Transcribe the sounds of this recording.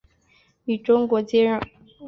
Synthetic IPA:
y˨˩ʈ͡ʂʊ˥ŋkwɔ˧˦t͡ɕjɛ˥˦ɻɑ˥˩

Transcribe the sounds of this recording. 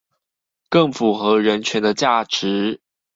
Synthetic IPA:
kə˥˩ŋfu˨˩xɤ˧˥ɻə˧˦nt͡ɕʰɥɛ˧˥nd̪ə˧t͡ɕja˥˩ʈ͡ʂɻ̩˨˥˦

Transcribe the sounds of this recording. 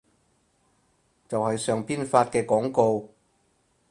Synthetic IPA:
t͡sɐ˨whɐ˨jsœː˨˧ŋpiː˥nfaː˧t̚kɛː˧kɔː˨˥ŋko˧w

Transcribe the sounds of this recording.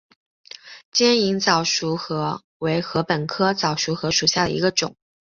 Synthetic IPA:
t͡ɕjɛ˥ni˧˥ŋt͡sɑ˨˩ʊʂu˧˥xɤ˧˥ | we˧˥ɪxɤ˧˥pə˨˩nkʰɤ˥t͡sɑ˨˩ʊʂu˧˥xɤ˧˥ʂu˨˩ɕja˥˩d̪ə̰˩ḭ˧˥ɡə˧ʈ͡ʂʊ˨˩˦ŋ

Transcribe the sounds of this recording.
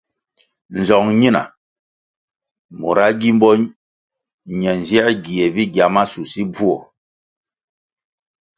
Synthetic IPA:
n̩˨zɔ˨ŋɲi˦na̰˨ | mo̰˨ɾa˦ɡi˦m̩˦bɔ˦ | ɲɛ˨n˨zjɛ˦ɡi˨ɛ˨bi˦ɡja˨ma˦su˨si˦b͡vu˦ɔ˨

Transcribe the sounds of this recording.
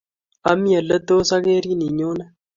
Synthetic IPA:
a˦mi˦ə˨lːə˦d̪o˦sa˦ke˦ɾi˦ni˨ɲo˦na˦

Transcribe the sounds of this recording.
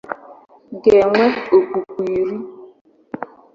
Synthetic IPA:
ɡɛ˨ŋʷe˦o˨ku˨kʷi˨ɾi˦

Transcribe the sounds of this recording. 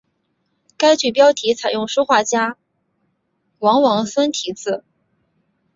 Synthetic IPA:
ka˥ɪt͡ɕy˥˩pjɑ˥ʊt̪ʰi˧˥t͡sʰa˨˩ɪjʊ˥˩ŋʂu˥xwa˥˩t͡ɕja˥ | wɑ˧˥ŋwɑ˧˥ŋsə˥nt̪ʰi˧˥t͡sɹ̩˥˩

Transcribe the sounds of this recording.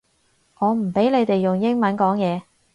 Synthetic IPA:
ŋɔː˨˧m̩˨˩pe˨˥jle˨˧jt̪e˨jːʊ˨˩ŋjɪ˥ŋmɐ˨˥nkɔː˨˥ŋjɛː˨˧

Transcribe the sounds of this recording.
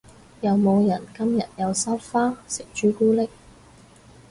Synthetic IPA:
jɐ˨˧wmo˨˧wjɐ˨˩nkɐ˥mjɐ̰˨t̚jɐ˨˧wsɐ˥wfaː˥sɪ˨k̚t͡ʃyː˨˥kuː˥lɪ˥k̚

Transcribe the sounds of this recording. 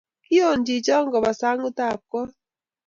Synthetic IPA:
ki˦o˨ɲd͡ʒi˨t͡ʃɔ˦ŋɡɔ˨βa˨sa˦ŋɡu˦ta˦˨p̚kɔ˦

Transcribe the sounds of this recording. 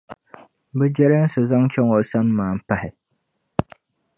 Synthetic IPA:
bɛ˦d͡ʒɛ˦ɾɛ˦n̩˦sɨ˨za˦ŋt͡ʃɛ˦ŋo˨sa˦n˦maː˨m̩˨pa˦hɪ˨

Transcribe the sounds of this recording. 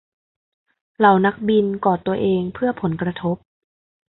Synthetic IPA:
la˨˦wna˦˥k̚bi˧nkɔː˨˩t̪u˧ɐʔeː˧ŋpʰɯ˥˩ɐpʰo˨˩˦nkɾa˧t̪ʰo˦˥p̚

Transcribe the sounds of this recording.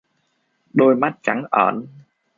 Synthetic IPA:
ɗo˧jma˦˥t̚t͡ɕa˧˨˦ŋʔəː˧˩n

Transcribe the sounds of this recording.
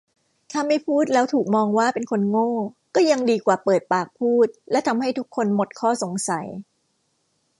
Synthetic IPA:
t̪ʰa˧˥mːa˥˩jpʰuː˥˩t̪̚lɛː˦˥wt̪ʰuː˨˩k̚mɔː˧ŋwaː˥˩pe˧nkʰo˧nŋoː˥˩kɔː˥˩ja˧ŋdiː˧kwaː˨˩pɤː˨˩t̪̚paː˨˩k̚pʰuː˥˩t̪̚lɛː˦˥t̪ʰa˧mha˥˩jt̪ʰu˦˥kʰːo˧nmo˨˩t̪̚kʰɔː˥˩so˩˦ŋsa˨˩˦j

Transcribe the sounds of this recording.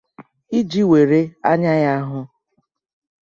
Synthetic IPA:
i˦d͡ʒi˦we˨ɾe˦a˦ɲa˦ja˦ɦʊ˦

